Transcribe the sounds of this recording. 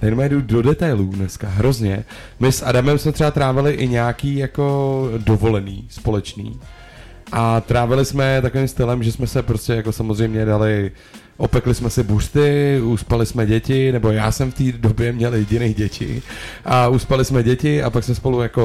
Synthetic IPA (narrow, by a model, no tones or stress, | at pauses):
t̪ɛjnmɛjɛdudo̞dɛt̪ajluːdnɛskaɦɾo̞zɲɛ | mɪsʔadamɛmsmɛt̪r̥ɛbat̪ɾaːvɪlɪʔɪɲɛakiːjako̞do̞vo̞lɛnḭːspo̞lɛt͡ʃnḭː | ʔat̪ɾaːvɪlɪsmɛt̪akoviːmst̪ɪlɛmʒɛsmɛsɛpɾoscɛjako̞samozrɛjmɲɛdalɪ | ʔopɛklɪsmɛsɪbur̥t̪ɪuspalɪsmɛɟɛcɪnɛbo̞jaːsɛmft̪iːdobjɛmɲɛljɛɟɪnejɟɛcɪ̰ʔauspalɪsmɛɟɛcɪʔapaksmɛspo̞lujako̞